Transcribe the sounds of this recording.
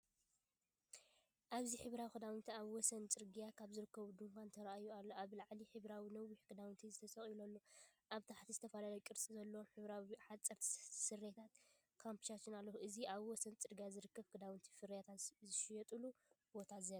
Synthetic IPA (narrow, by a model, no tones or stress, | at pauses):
ʔaβziħɨβɾawixʰɨd̪awnt̪ʰiaβwɔsɐnt͡sʼɨɾɡijakʰaβzɨɾɨkːɐβud̪ɨŋkʷʰant̪ʰɐɾaʔajualːoʔaβlaʕliħɨβɾawinɐwːiħkʰɨd̪awnt̪ʰizɨt̪ʰɐsɐχʼjilolːoʔaβt̪ʰaħt̪ʰizɨt̪ʰɐfalalɐjkʼɨɾt͡sʼizɐlːoomħɨβɾawiħat͡sʼːɐɾt̪ʰsɨret̪ʰat̪ | kʰampʰi̥ʃat͡ʃːɨnalːɐhuʔɨziaβwɔsɐnt͡sʼɨɾɡijazɨɾɨkʰːɐβkʰɨd̪awɨnt̪ʰi̥fɨɾjat̪ʰazɨʃjɛt̪ʼɨlu | b̥o̞t̪ʰazeɾa